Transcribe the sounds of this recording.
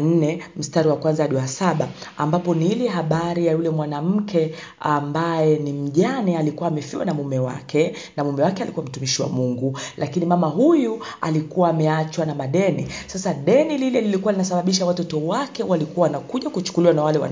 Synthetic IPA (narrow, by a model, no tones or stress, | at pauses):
n̩nɛm̩staɾiwakwanzaɗuasaɓaambapɔniilɛɦaɓaɾijajulɛmwanam̩kʰɛ | ambajɛnim̩ʄanialikuwaːmɛfiwa̰namumɛwa̰kɛ | namumɛwakɛalikuwam̩tumiʃiwa̰muŋɡulʔakinimamaɦujua̰likuwaːmɛat͡ʃwanamaɗɛnisasaɗɛnililɛlilikuwalinasaɓaɓiʃawatɔtɔwakɛwalikuwawanakuʄakut͡ʃu̥kuliwanawalɛwa̰n